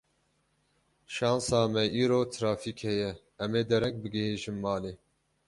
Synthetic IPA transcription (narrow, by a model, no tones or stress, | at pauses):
ʃɑːnsɑːmɛʔiːɾoːt̪ʰɨɾɑːfiːkhɛjɛ | ɛmeːd̪ɛɾɛk̚bɨɡɛheːʒɨmːɑːleː